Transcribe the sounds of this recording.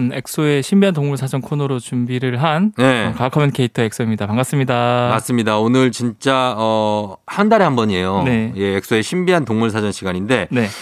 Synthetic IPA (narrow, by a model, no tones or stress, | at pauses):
ne̞k̚s͈oe̞ɕʰimbiɦantoŋmuɭsʰad͡ʑʌnkʰonɯɾot͡ɕumbiɾɯɭɦanjekakʰʌmenkʰe̞itʰʌe̞k̚s͈oimɲidamaŋɡas͈ɯmɲidamas͈ɯmɲidaonɯɭt͡ɕint͡ɕ͈aʌhandaɾeɦambʌɲie̞jone̞je̞ːk̚s͈oe̞ɕʰimbiɦantoŋmuɭsʰad͡ʑʌnɕʰiɡaɲinde̞ne̞